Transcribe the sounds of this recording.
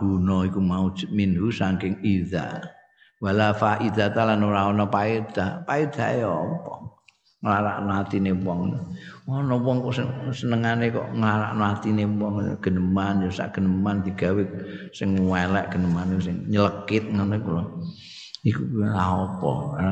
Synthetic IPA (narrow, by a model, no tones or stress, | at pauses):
ɡ̥unɔikumau̥d͡ʒ̥ə̥t̪̚minɦusaŋkɪŋiða̰ | walafaʔiðat̪alanuɾaɔnɔpaed̪̥apaid̪̥ajɔpɔŋ | ŋəlaɾa̰ʔnɔat̪inepɔŋnwɔnɔpɔŋkɔʔsɪŋsənəŋanekɔ̰ʔŋəlaɾa̰ʔnɔat̪inepɔŋ̰ɡ̥ə̤nəmanjosa̰ʔɡ̥ə̤nəmand̪̥i̤ɡ̥a̤wesɪŋwaelɛʔɡ̥ə̤nəmaniusɪŋɲələkɪt̪̚ŋanekulɔ | ikulaɦɔpɔ̰a